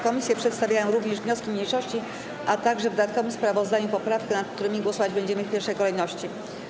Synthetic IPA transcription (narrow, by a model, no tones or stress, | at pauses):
kɔmʲisʲjɛpʂɛt̪st̪avʲjajɔ̃ɾuvɲɛʐvɲɔskʲimɲejʂɔɕt͡ɕi | ʔat̪aɡʐɛvd̪d̪at̪̚kɔvɘmspɾavɔzd̪aɲupɔpɾafkɛnat̪̚kt̪uɾɘmʲiɡwɔsɔvad͡ʑbɛɲd͡ʑɛmɘfpʲjɛɾʂɛjkɔlɛjnɔɕt͡ɕi